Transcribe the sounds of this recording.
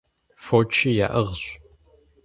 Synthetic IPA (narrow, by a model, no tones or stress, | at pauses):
fot͡ʃʰija̰ːʔɐʁɕ